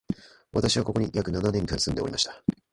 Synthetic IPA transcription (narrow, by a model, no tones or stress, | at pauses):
βat̪aɕiβako̞ko̞ɲ̟ijakɯ̟nananẽ̞ŋkaɾasɨ̃nd̪e̞oɾimaɕi̥t̪ḁ